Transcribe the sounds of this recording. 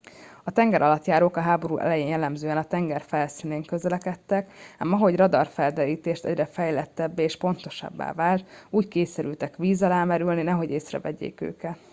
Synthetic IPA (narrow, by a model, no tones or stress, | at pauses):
ɒt̪ɛŋɡɛɾʔɒlɒt̪jaːɾoːkɒɦaːbo̞ɾṵːʔɛ̰lɛjeːnjɛlːɛmzøːɛnɒt̪ɛŋɡɛrfɛlsiːneːŋkø̞zɛlɛkɛt̪ːɛkamɒɦo̞ɟrɒd̪ɒrfɛld̪ɛɾiːt̪eːʃt̪ɛ̰ɟrɛfɛjlɛt̪ːɛbːɛːʃpo̞nt̪o̞ʃɒ̰bːa̰ːvaːlt̪uːckeːsɛɾylt̪ɛkʋiːzɒlaːmɛɾylninɛɦo̞ɟeːsrɛ̰vɛɟḛːkø̰ːkɛt̪